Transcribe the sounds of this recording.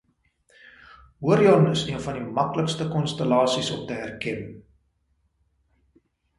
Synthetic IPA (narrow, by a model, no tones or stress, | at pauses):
wuəɾiɔnəsniənfɐndimɐkləkstəkɔnstəlɑːsisɔptəɦærkɛn